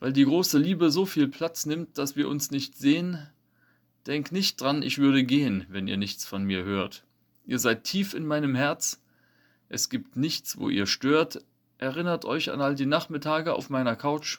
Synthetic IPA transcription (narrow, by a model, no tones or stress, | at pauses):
vaɪldiːɡʁoːsəliːbəzoːfiːlpʰl̥at͡snɪmt̚d̥asv̥iːɐʔʊnsnɪçtz̥eːən | d̥ɛŋknɪçt̚d̥ʁanʔɪ̰çv̥ʏɐɾəɡeːənvɛnḭːɐnɪçt͡sfɔnmiːɐhøːɐt | ʔiːɐzaɪtʰːiːfɪ̰nmaɪnəmhɛɐt͡s | ʔɛsɡ̥iːptnɪçt͡sv̥o̰ːʔḭːɐʃtøːɐt | ʔɛɐʁɪnɐtʰʔɔʏça̰nʔaldiːnaχmɪtʰaːɡəa̰ʊfmaɪnɐkʰaʊt͡ʃ